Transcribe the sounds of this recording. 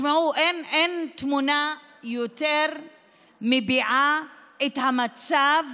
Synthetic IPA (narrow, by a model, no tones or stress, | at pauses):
maʕuʔenent̪muna | jot̪ɛɾ | mibiʕa | ɛt̪hamat͡sav